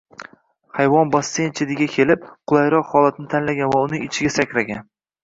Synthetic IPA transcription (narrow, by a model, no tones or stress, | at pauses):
hajvɒnbɒsːent͡ʃʰed̪ɪɡʲakʲʰe̞lɪp̚qʰʊlˠajɾɒqhɒlˠat̪ʰɪnɪt̪ʰanlaɡʲanvaʊnɪŋɪt͡ʃʰɪɡʲasakʲʰɾaɡʲan